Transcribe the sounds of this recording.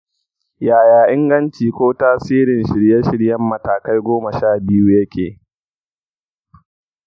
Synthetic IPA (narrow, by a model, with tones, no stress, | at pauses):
jaː˨jaː˨ʔɪ˦ŋɡɐ˦nt͡ʃiː˨kʷoː˦taː˦siː˦ɾɪ˨nʃɪ˨ɽje˦ʃɪ˦ɽjɐ˦mːɐ˨taː˨ka˦jɡʷoː˦mɐ˨ʃaː˦˨bɪ˦juː˦jɐ˦kʲʰeː˨